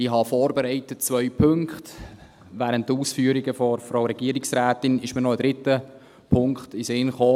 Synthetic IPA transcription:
ɪɦɑfɔːɾbɛɾɛɪtətt͡svœʏpʰɵŋkχt | ʋæːɾəntːuːsfyəɾiɡəfɔɾfɾawɾɛɡ̥iəɾɪksɾæːtɪnɪʃmənɔəd̥ɾɪtə | pʰʊŋkχtɪsɪnχoː

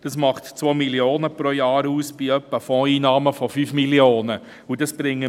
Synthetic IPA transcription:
d̥ɑsmɑχtt͡sʋoːmiljoːnəpɾojɑːɾuːsb̥iœpːəfɔ̃ːiːnɑːməfɔfyːfmiljoːnə | ud̥ɑsb̥ɾɪŋːə

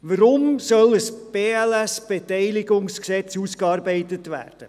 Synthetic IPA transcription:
ʋəɾʊmsœləsb̥eːælæsb̥etɛɪliɡʊŋsksɛt͡suskɑːɾbɛɪtətʋæ̰ːrd̥ə

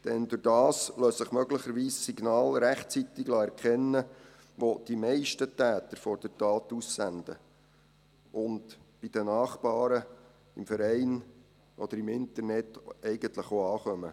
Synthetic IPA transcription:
d̥ɛnd̪ʊɾd̥ɑːsløːssəχmœɡləχəɾʋiːssiɡnɑːlɾæχt͡sit̪ɪɡlɑɛɾkχɛnːə | ʋod̥imɛɪʃtət̪æːt̪əɾfɔɾd̥ətɑːt̪usːænd̥̪ə̰ | ʔʊntb̥id̥̪ənɑːχpɑːɾə | ɪmfəɾɛɪn | ʔɔd̪əɾɪmɪnt̪əɾnɛtɛɪɡənt̪ləχoɑːχœmə

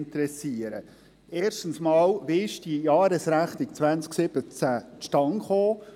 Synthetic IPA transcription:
nt̪ɾɛsiəɾə̰ | eːʃtən̩smɑːlvɪʃd̥ijɑːɾəsɾæχnɪkt͡sʋænt͡sksɪb̥ət͡sæʃtɑŋχoː

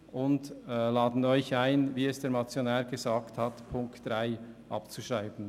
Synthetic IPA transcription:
ʔʊndlaːdn̩ɔʏçaɪnviːɛsd̥eːɾmat͡sjonɛːɾɡezaːkthɑtpʰʊŋktd̥ʁaɪ | ʔɑ̰pt͡suʃʁaɪbn̩

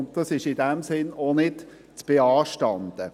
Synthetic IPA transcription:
ʊnt̚d̥ɑsɪʃɪdɛmsɪnonɪd | t͡sb̥eɑːʃtɑnd̪̥ə

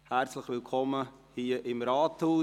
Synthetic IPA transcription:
hæɾt͡sləχʋɪlkʰɔmːə | hiəʔɪmɾɑːt̪huː

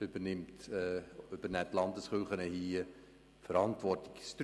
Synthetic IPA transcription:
ʏbənɪmtː | ʏb̥ənɛtlɑndəsχølˠχənəhiə | fəɾɑntvɔrtɪ̥kst

